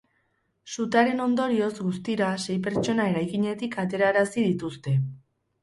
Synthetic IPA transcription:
sut̪aɾe̞no̞nd̪o̞ɾio̞zɣust̪iɾase̞jp̬e̞ɾt͡ʃo̞nae̞ɾajkiɲe̞t̪ikat̪e̞ɾaɾasiðit̪ust̪e̞

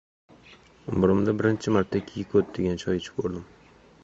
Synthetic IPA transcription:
ʊmbʊɾɪmd̪abɪɾɪnt͡ʃʰɪmaɾt̪ʰːakʲʰejɪkʰɵt̪̚d̪eɡʲant͡ʃʰɒjɪt͡ʃʰɪ̥kʰoɾd̪ɪm

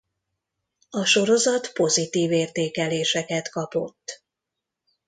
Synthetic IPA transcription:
ɒʃo̞ɾo̞zɒt̪po̞zit̪iːveːrt̪eːkɛleːʃɛkɛt̪kɒpo̞̰t̪ː

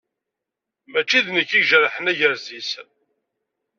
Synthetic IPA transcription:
mæt͡ʃːiðnəkːiʒəɾˤħənæʝəɾzis

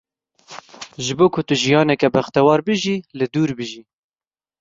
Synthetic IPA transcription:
ʒɨboːkʰʊt̪ʊʒijɑːnɛkɛbæxt̪ɛwɑːɾbɨʒiːlɨd̪uːɾbɨʒiː

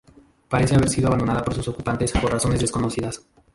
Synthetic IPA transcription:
paɾe̞se̞aβe̞ɾsiðoaβand̪onaðapo̞ɾsuso̞kupant̪e̞spo̞ɾraso̞nezðe̞sko̞no̞siðas

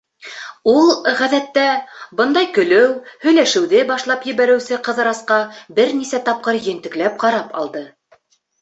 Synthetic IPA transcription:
ulˠʁæðæt̪ːæbɤnd̪ɑjkɵ̆lɘwhɵ̆jlæʃɘ̆wðɘbɑʃlˠɑpjɘ̆βæɾɘ̆wsɘqɤ̆ðɤ̆ɾɑsqɑbɘɾnisæt̪ɑp̚qɤɾjɘ̆nt̪ɘ̆klæp̚qɑɾɑpɑ̰lˠd̪ɤ

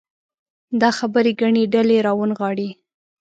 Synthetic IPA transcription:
d̪ɑxabəɾeɡaɳeɖaleɾɑwənɣɑɽi

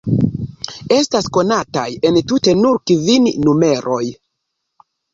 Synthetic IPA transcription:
e̞stasko̞nata̰je̞ntute̞nuɾkivinːume̞ɾʔo̞j

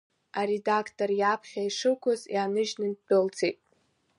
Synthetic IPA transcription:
aɾedakʰtʰʼorjapʰχʲaiʂɨkʷʰʊzjanɨʒnɨnb̥ɨlt͡sʰejtʼ

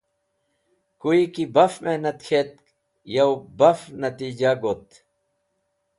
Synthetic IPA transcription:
kuikibɐfmenɐt̪kʰeːt̪̚ | jɐwbɐfnɐt̪iːd͡ʑaɡot̪

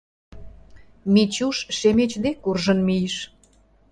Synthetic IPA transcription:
mit͡ɕuʃʃemet͡ɕd̪ekurʒə̆nmijʃ

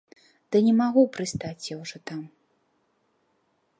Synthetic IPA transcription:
d̪̥ɨnʲɛmaɣupɾɨst̪at͡sʲjawʐɔt̪am

